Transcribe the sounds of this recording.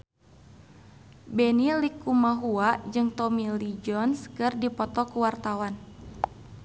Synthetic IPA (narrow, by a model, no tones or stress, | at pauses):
bɛnilikumaɦuad͡ʒɨŋt̪ɔmilid͡ʒɔnskɨrdipɔt̪ɔkuwart̪awan